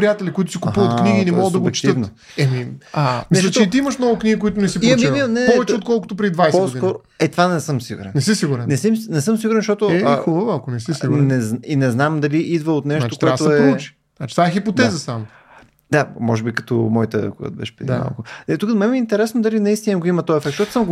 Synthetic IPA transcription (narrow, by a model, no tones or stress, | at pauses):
pɾijat̪ɛlʲikʊit̪ʊ̥sikupuvət̪kniɡiːnɛmɔɡəd̪d̪ɐɡt͡ʃt̪əvn | ɛmiamisʃɐt͡ʃ̪iit̪iiməʃmnɔɡʊkniɡikoʊit̪̬ʊnɛsipiɐmiinɛpɔvɛtt͡ʃɛot̪̚kɔlˠkʊ̥t̪oʊpɾɛid̪vajsposɡ̪ikɔɾ | ɛt̪vanɛsɤmsiɡṵɾɛ̰nnɛsɛsiɡuɾɛnnɛsimnɛsəmsiɡuɾɛnsʃt̪ɔt̪ʊɛubəvalˠkonɛsisiɡnɛzninɛznamd̪ɐliʔid̪vəot̪nɛʃt̪ok̪ɛat̪oɛut͡ʃi̥ | nat͡ʃi̥t̪vaɛxipot̪ɛzəsam | d̪amɔʒɛbikɐ̥t̪o̰mɔit̪əkuɡə̰d̪bɛ̰ʃpɾɛd̪ima̰lˠkʊɛt̪ukəd̪mɛmʲiɛint̪ɛɾɛsnod̪ɐlinɐist̪inɡoimɐt̪ɔjɛfɛk̚t̪ʃɔt̪ʊ̥smɡ